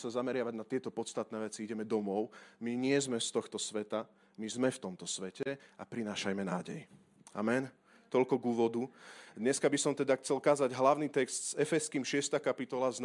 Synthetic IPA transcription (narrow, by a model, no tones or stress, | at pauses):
sazamɛɾɪaʋaɟnat̪ɪɛt̪ɔpɔt̪st̪at̪nɛːʋɛt͡siiɟɛmɛd̪ɔmɔʊmiɲɪɛzmɛst̪ɔxt̪ɔsʋɛt̪a | mizmɛft̪ɔmt̪ɔsʋɛcɛapɾinaːʃajmɛna̰ːɟɛ̰j | a̰mɛn | t̪ɔlkɔɡuːʋɔd̪ud̪ɲɛskabisɔmt̪ɛd̪axt͡sɛlkaːzaɟɦlaʊniːt̪ɛkst̪sɛfɛskiːmʃɪɛst̪aːkapit̪ɔlazn